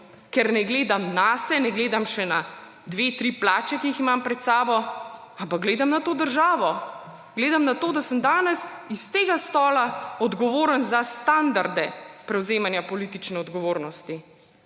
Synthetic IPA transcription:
kɛɾnɛɡleːd̪amnasɛnɛɡleːd̪amʃɛna | d̪ʋeːt̪ɾiplaːt͡ʃɛkiiximampɾɛt̪saːbɔ | ampaɡ̚ɡleːd̪amnat̪oːd̪əɾʒaːʋɔ | ɡ̥leːd̪amnat̪oːd̪asəmd̪aːnɛsist̪eːɡast̪ɔːlaɔd̪ɡɔʋoːɾənzast̪and̪aɾd̪ɛpɾɛwzeːmanjapɔliːt̪it͡ʃnɛɔd̪ɡɔʋoːɾnɔst̪i

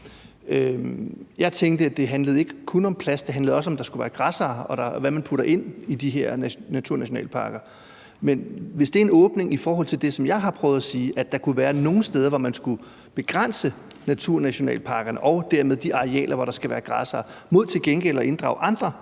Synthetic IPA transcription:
ø | jɑ̈ɪt͡sʰeŋɡ̥d̥əæd̥e̝ɦænləð̩ˠe̝ɡ̥əkʰɔnɒ̽mpʰlæsd̥e̝ɦændlð̩ˠɒ̽s̬ɒ̽md̥ɑ̈sɡ̥uʋæːɐɡ̥ʁɑ̈sɑːɒ̽d̥ɑʋæmænpʰuɾɐʔe̝n̰id̥iɦeɐ̰ænæt͡sʰuɐnæɕo̝nɛ̰ːlpʰɑ̰̈ːɡ̥ɐ | menʋe̝sd̥e̝æɐe̝nɔ̽ːb̥ne̝ŋifɒːɦɒ̽l̰t͡sʰeld̥e̝sɒ̽mjɑ̈ɪɦɑ̈pʰʁœʊð̞ˠæsiːʔæd̥ɑ̈kʰuʋæːɐno̝ːn̩sd̥eːð̞ˠɐʋɒmænsɡ̥u | b̥e̝ɡ̥ʁan̰sə | næt͡sʰuɐ̰næɕo̝nɛ̰ːlpʰɑ̈ːɡ̥ɐnəʔɒ̽ʊd̥æɐmeðˠd̥iʔɑ̈ʁeɛ̰ːlʔɐʋɒɾ̥ɑ̈sɡ̥æʋæːɐɡ̥ʁɑ̈sɐːmo̝ð̞̰ˠt͡sʰe̝lɡ̥enɡ̥el̰ɒ̽ʔe̝nd̥ʁɑ̈ʊʔɑ̈nd̥ʁɐ

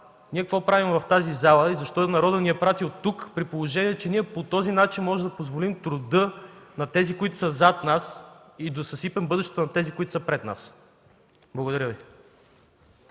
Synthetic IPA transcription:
niɛkɐkvɔpɾavimvɐft̪azizalˠəizɐʃt̪ɔnɐɾɔd̪əniɛpɾat̪iot̪ːukpɾipolˠoʒɛniɛt͡ʃɛniɛpot̪ɔzinat͡ʃinmɔʒɛd̪ɐpozvolimt̪ɾʊd̪ɤnɐt̪ɛzikoit̪ʊ̥səzat̪nas | id̪osɐsipɛmbɤd̪ɛʃt̪ɛ̥t̪onɐt̪ɛzikoit̪ʊ̥səpɾɛt̪na̰s | blˠɐɡod̪ɐɾʲəvi

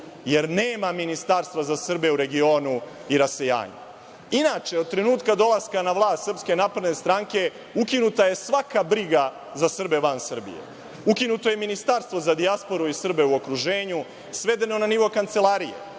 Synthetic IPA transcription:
je̞ɾneːmaminist̪aɾst̪ʋazasr̩be̞uɾe̞ɡio̞ːnuiɾase̞ja̰ːɲṵ | inaːt͡ʃeod̪̚t̪ɾe̞nuːt̪kad̪o̞laskanaʋlˠaːst̪sr̩pske̞naːpɾed̪ne̞st̪ɾaŋke̞ | ukinut̪aje̞sʋakabɾiɡa | zasr̩be̞ʋansr̩bḭjḛ | ukinut̪o̞je̞minist̪aɾst̪vʋo̞zad̪iaspo̞ɾuisr̩be̞uo̞kɾuʒeːɲu | sʋe̞d̪e̞no̞naniʋo̞kant̪selˠaɾije̞̰

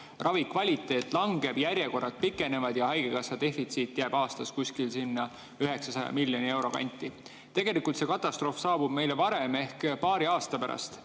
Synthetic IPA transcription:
rʔɑvikvɑlʲit̪ːˑe̞ːt̪ːˑlɑŋɡ̥e̞b̥jæɾjeko̞rɑt̪̚pikːˑe̞ne̞vɑd̪̥jɑɦɑjɡekɑsːɑd̪e̞fit̪siːt̪ːˑjæb̥ɑːst̪ɑskuskilsinːɑ | yɦe̞ksɑsɑjɑ̰milʲːjo̞nʲie̞wɾo̞̰kɑ̰nʲt̪ːˑi | t̪e̞ɡ̥e̞likult̪se̞kɑt̪ːˑɑst̪ro̞fsɑːb̥ub̥̚me̞jlevɑɾeme̞hkpɑːɾiɑːst̪ɑpæɾɑ̰st̪

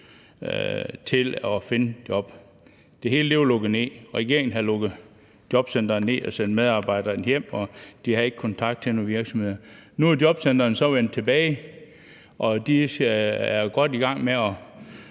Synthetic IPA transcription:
t͡sʰe̝lɒfe̝nəd̥jɒ̽b̥ | d̥e̝ɦe̝ːləle̝ʊlɔɡ̥ð̩ˠne̝̰ːʁɛɡ̥e̝ɐeŋn̩ɦælɔɡ̥ð̩ˠ | d̥jɒ̽b̥sen̰d̥ɐːne̝̰ːɒsend̥með̞ˠɑ̈ːb̥ɑ̈ɪ̰d̥ɐːnjem̰ɒ̽d̥ihɑe̝ɡ̥kʰɒ̽nt͡sʰɑ̈ɡ̥̚d̥̚t͡sʰe̝noʋiɐɡ̥sɒmhe̝ð̰ˠɐnuɐdjɒ̽b̥sen̰d̥ɐːnsɒ̽ʋen̰d̥̚t͡sʰe̝b̥ɛːɪ | ʔɒ̽d̥i | æɐɡ̥ɒ̽d̥iɡ̥ɑ̈ŋ̰meɒ

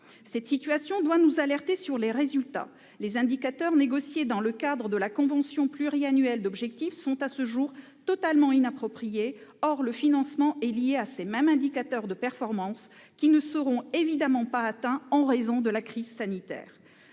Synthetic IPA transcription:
sɛt̪sit̪ɥasjɔ̃d̪wanuzalɛʁt̪esyʁleʁezylt̪a̰ | lezɛ̃d̪ikat̪œʁneɡɔsjed̪ɑ̃ləkad̪ʁəd̪əlakɔ̃vɑ̃sjɔ̃plyʁianɥɛld̪ɔbʒɛk̚t̪ifsɔ̃t̪asəʒuʁ | t̪ɔt̪almɑ̃inapχɔpχijeɔʁləfinɑ̃smɑ̃ɛlijeasemɛmɛ̃d̪ikat̪œʁd̪əpɛʁfɔʁmɑ̃s | kʲinəsəʁɔ̃evid̪amɑ̃paːt̪ɛ̃ɑ̃ʁezɔ̃d̪əlakχizsanit̪ɛ̰ːʁ

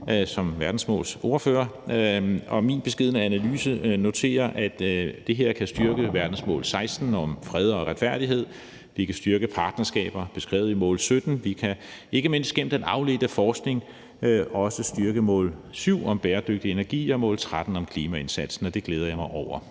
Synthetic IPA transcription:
sɒ̽mʋæɐd̥n̩smɔ̰ːlso̝ɐfø̰ːɐ | ɒ̽minb̥e̝sɡ̥e̝ð̞̰ˠnæænælyːsəno̝t͡sʰe̝̰ːɐʔæd̥d̥e̝ɦe̝ɐ̰kʰæsd̥yɐɡ̥əʋæɐd̥n̩smɔ̰ːlsɑ̈ɪsd̥n̩ɒ̽mfʁɛð̞ˠɒ̽ʁäd̥fæɐ̰ɾ̥iɦe̝ð̞̰ˠ | ʋikʰæsd̥yɐɡ̥əpʰɑ̈ːd̥nɐsɡ̥ɛ̰ːb̥ɐb̥e̝sɡ̥ʁɛ̰ːʊimɔ̰ːlsød̥n̩ʋikʰæe̝ɡ̥əme̝n̰sd̥̚ɡ̥em̰d̥enɑ̈ʊle̝d̥əfɒːsɡ̥ne̝ŋ | ɒ̽səsd̥yɐɡ̥əmɔ̰̽ːlsyʊ̰ɒ̽mb̥eːɐd̥øɡ̥̚d̥ie̝næɐɡ̥ḭːɒ̽mɔ̰̽ːlt͡sʰʁad̥n̩ɒ̽mkʰliːmæe̝nsæd̥sn̩ɒ̽d̥e̝ɡ̥leːð̞ɐjɑ̈ɪmɑ̈ɪʔɒʊɐ

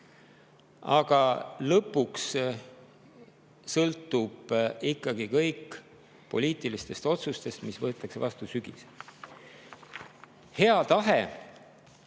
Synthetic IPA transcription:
ɑ̰ɡ̥ɑlɤpːˑuks | sɤlt̪ːˑub̥ikːɑɡikɤjkː | po̞̰lʲiːt̪ˑilist̪e̞st̪o̞t̪sust̪e̞st̪misvɤ̞t̪ːˑɑksevɑst̪usyɡ̥ḭs | he̞ɑt̪ɑɦe

